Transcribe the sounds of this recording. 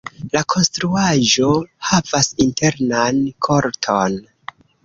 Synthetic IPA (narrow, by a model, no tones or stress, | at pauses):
lakʰo̞nstɾuaʒo̞havasinte̞ɾnankʰo̞ɾtʰon